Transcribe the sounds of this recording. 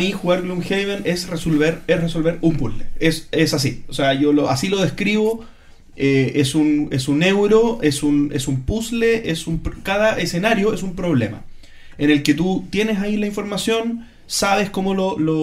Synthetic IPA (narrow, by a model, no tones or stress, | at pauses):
mixuɣaɾɣlumxejβenesresolβeɾesreso̞lβeɾumpusleesesas̬ioseaʝoloasiloð̞ehkɾiβo | eesunesune̞wɾoesunesumpusleʔesumpkað̞aʔesenaɾjo̞esumpɾo̞βle̞̰ma̰ | ene̞lket̪ut̪je̞nesailaĩɱfo̞ɾmasjo̞n | saβeskomololo